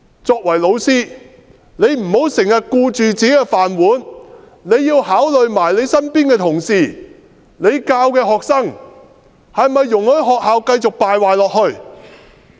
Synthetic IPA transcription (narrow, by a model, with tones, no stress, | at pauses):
t͡sɔː˧k̚wɐ˨˩jlo˨˧wsiː˥ | ne˨˧jm̩˨˩ho˨˥wsɪ˨˩ŋhɐ˨t̚kuː˧t͡ʃyː˨t͡siː˨˥kɛː˧faː˨nwuː˨˥n | ne˨˧jːiː˧whaː˨˥wlɵ˨ɥmaː˨˩jle˨˧jsɐ˥npiː˥nkɛː˧t̪ʰʊ˨˩ŋsiː˨ | ne˨˧jkaː˧wkɛː˧ɦɔː˨k̚sɐ˥ŋ | hɐ˨jmɐ˨jːʊ˨˩ŋhɵ˨˥ɥɦɔː˨k̚haː˨˧wkɐ˧jt͡sʊ˨k̚paː˨jwaː˨jlɔː˨k̚hɵ˧ɥ